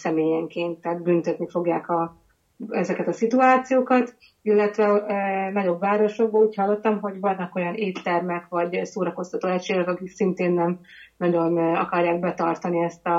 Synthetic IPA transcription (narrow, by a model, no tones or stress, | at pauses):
sɛmeːjɛŋkeːnt̪ːɛːt̪bynt̪øt̪nifo̞ɡjaːkɒ | ɛzɛkɛt̪ɒsit̪uaːt̪sijoːkɒt̪ | ilːɛt̪ʋɛnɒɟo̞bːaːɾo̞ʃo̞ɡ̚boːluːchɒlːo̞t̪ːɒmɦo̞ɟvɒnːɒko̞jɒneːt̪ːɛrmɛkʋɒɟsoːɾɒko̞st̪ɒt̪oːɛcʃeːɡɛkɒkiksint̪eːnːɛm | nɒɟo̞nɒ̰kɒrjaːɡ̚bɛt̪ɒrt̪ɒniɛst̪ɒ